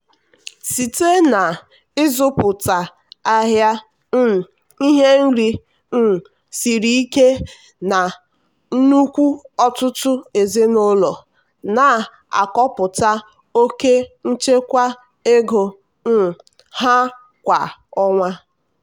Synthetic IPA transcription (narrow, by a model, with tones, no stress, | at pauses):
si˨te˦na˨ | ɪ˦zʊ˦pʊ˨ta˨ | a˦ɦja˦ | n̩˦˨ | i˦ɦe˦n̩˦ɾi˦ | n̩˦˨ | si˨ɾi˦i˦ke˦ | na˨ | n̩˦nu˦kʷu˦ɔ˦tʊ˦tʊ˦e˨ze˦no˦lɔ˨ | na˨ | a̰˨kɔ˦pʊ˨ta˦ | o˦ke˦n̩˦t͡ʃe˦kʷa˦ | e˦ɡo˨ | n̩˦˨ | ha˦ | kʷa˨ɔ˦ŋʷa˦